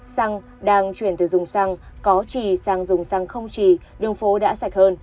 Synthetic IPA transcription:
sa˧ŋ | ɗaː˧ŋt͡ɕwi˧˩ənt̪ɨ˨˩zʊ˨˩ŋ͡msa˧ŋkɔ˨˦t͡ɕi˧˨˩saː˧ŋzʊ˨˩ŋ͡msa˧ŋxə˧wŋ͡mt͡ɕi˨˩ɗɨ˨˩əŋfo˨˦ɗa̰ː˧˥sa˧˩jk̚həː˧n

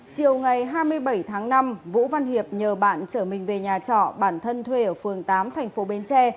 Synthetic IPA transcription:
t͡ɕi˨˩əwŋa˨˩jɦaː˧jmɨ˧əjɓə˧˩jt̪ʰaː˨˦ŋna˧mvṵ˧˥va˧nhi˨˩əp̚ɲəː˨˩ɓa̰ː˧˨nt͡ɕəː˧˩mï˨˩ŋ̟ve˨˩ɲaː˨˩t͡ɕɔ̰˧˨ɓaː˧˩nt̪ʰə˧nt̪ʰwe˧ʔəː˧˩fɨ˨˩əŋt̪aː˨˦mt̪ʰɛ˨˩jŋ̟fo˨˦ɓe˨˦nt͡ɕɛ˧

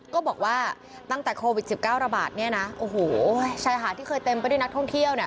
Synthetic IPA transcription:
kɔː˥˩bɔː˨˩k̚waː˥˩ | t̪a˥˩ŋt̪ɛː˨˩kʰoː˧wi˨˩t̪̚si˨˩p̚kaː˥˩wɾa˧ba̰ː˨˩t̪̚ni˥˩ɐna˦˥ʔoː˨˩ɦoː˨˩˦t͡ɕʰaː˧jɦʰaː˨˩˦t̪ʰiː˥˩xɤː˧jt̪e˧mpa˥˩jdu˥˩˨n˦˥k̚t̪ʰɔ˥ŋt̪ʰi˥˩əwni˥˩ə

